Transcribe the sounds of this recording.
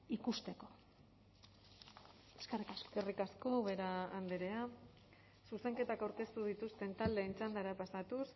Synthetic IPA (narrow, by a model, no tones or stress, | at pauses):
ikust̪e̞ko̥ | eskerikerikasko̞βe̞ɾaːnd̪eɾe̞a | suse̞ŋke̞t̪akawɾke̞st̪uð̞it̪ust̪e̞nt̪ald̪e̞ːnt͡sand̪aɾapasat̪us